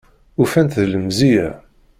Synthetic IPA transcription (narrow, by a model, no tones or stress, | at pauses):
ufænt̪ðləmzijæ̰